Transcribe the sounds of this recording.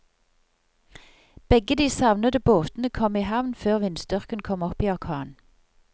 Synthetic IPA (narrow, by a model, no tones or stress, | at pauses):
b̥ɛɡəd̪iːsɑʋnəd̪əboːt̪n̩əkʰɔmiːhɑʋnføːʁʋɪnsd̪ʏʁkənkʰɔmɔpiːɑʁkʰɑːn